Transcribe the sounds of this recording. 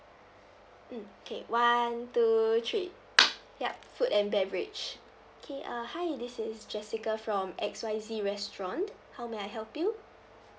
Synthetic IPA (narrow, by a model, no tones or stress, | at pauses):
m̩okʰḛwantutʰɹi | jafutɛ̃nbɛtbɹḭd͡ʒ | okʰeʔahajdɪsɪsd͡ʒɛsikəfɹɔ̃mɛkswaɪziɹɛstɹɔ̃nt | hawmeaɪɦɛlpju